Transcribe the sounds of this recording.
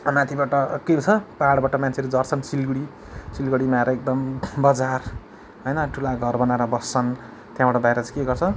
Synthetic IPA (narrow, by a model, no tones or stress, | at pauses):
mãt̪ʰibaʈʌket͡sʰʌpaaɽbaʈʌmant͡sʰeɾed͡zʌrt͡sʰʌnsilɡɽi | silɡʌɽimaɾʌek̚d̪ʌmbʌd͡zar | ɦojnʌʈʰulaɡʱʌrbʌnaɾʌbʌst͡sʰʌn | t̪jãbaʈʌb̪aeɾʌt͡sʌkeɡʌrt͡sʰʌ